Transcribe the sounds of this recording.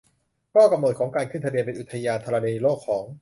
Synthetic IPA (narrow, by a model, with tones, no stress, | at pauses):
kʰɔː˥˩ka˧mno˨˩t̪̚kʰɔː˩˦ŋkaː˧nkʰɯ˥˩nt̪ʰabi˧əmpe˧nʔu˨˩t̪ʰːa˧jaː˧nt̪ʰa˧ɾa˧niː˧loː˥˩kʰːɔː˩˦ŋ